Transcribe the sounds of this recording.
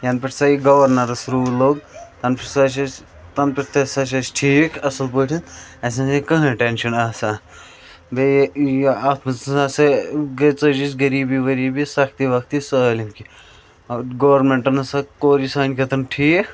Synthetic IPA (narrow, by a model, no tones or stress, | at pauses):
jɐnpʲiʈʰsɐiɡɐʋɐɾnɐɾɐsɾuːloːɡt̪ɐnpʰisɐʃɐt͡ʃ | t̪ɐnpiʈʰt̪ʰɐsɐʃ̬ɐsʈʰiːkɐsɐlpəːʈʰinɐsʲãsikɐɦɐ̃ʈenʃɐnaːsa | be | at̪mɐt͡ssãseɡɐt͡sɐd͡ʒit͡ʃɡɐɾiːbiʋɐɾiːbisɐkʰt̪iʋɐk̚t̪isəlʲimki | ɡɐːɐɾmeɳʈɐnɐsɐkoːɾisaːnkɐt̪ʰɐnʈʰiːk